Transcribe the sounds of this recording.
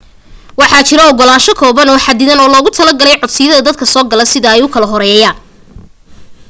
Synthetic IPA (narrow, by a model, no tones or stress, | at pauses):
wɑħɑt͡ʃɪɾɔɔɡɔlaːʃɔkʰɔːβɐnɔːħad̪ɪðɐnɔːlɔːɣʊt̪ʰɐlɐɡɐlɛjʕɔd̪sɪjɐðɐd̪ɐd̪̚kʰɐsɔːɡɐlɐsɪðɐɛjʊkʰɐlɐɦɔɾɛːɛːjaːn